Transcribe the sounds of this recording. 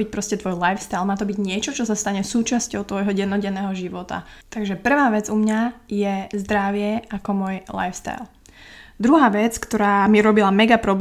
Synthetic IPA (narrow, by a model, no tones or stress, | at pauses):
ic̚pɾɔscɛt̪ʋɔjlajfst̪ajlˠmaːt̪ɔbiɟɲɪɛt͡ʃɔt͡ʃɔsast̪aɲɛsuːt͡ʃascɔʊt̪ʋɔjɦɔɟɛnːɔɟɛnɛːɦɔʒiʋɔt̪a̰t̪aɡʒɛpr̩ʋaːʋɛd͡zumɲajɛzd̪ɾaʋɪɛakɔmʊɔjla̰jfst̪a̰jlˠ | d̪ɾuɦaːʋɛt͡skt̪ɔɾaːmiɾɔbilamɛɡapɾɔb